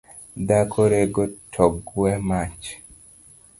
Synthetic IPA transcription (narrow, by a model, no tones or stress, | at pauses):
dakʰoɾeɡɔtʰɔɡwɛmat͡ʃ